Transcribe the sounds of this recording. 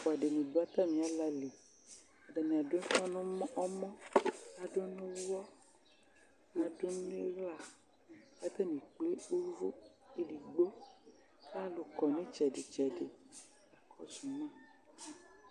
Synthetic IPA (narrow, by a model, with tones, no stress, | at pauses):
fɔ˨a˨ɖe˨nũ˨do˦a˦t̪a˦mĩ˨a˨˦la˨le˨ | a˨da˨nĩ˨a˨do˨˦e˦fɔ̃˦nɔ̃˦mɔ̃˦ʔɔ˦mɔ̃˦a˨do˦e˦wɔ˦ | a˨do˦ñ˦e˦ɣla˨ | ka˦t̪a˦nĩ˨k͡ple˦o˦vo˦ | e˦di˨ɡ͡bo˦ | a˦lo˨kɔ˨ne˦t͡ʃɛ˨ɖe˨t͡ʃɛ˨de˨ | a˨kʰɔ˦d͡ʒu˨nã˦˨